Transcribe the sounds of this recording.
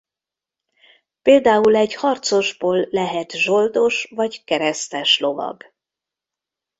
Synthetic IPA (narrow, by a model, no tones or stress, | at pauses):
peːld̪aːulɛɟhɒrt̪so̞ʒboːlːɛɦɛt̪ʒo̞ld̪o̞ʃvɒɟkɛɾɛst̪ɛʃlo̞vɒ̰ɡ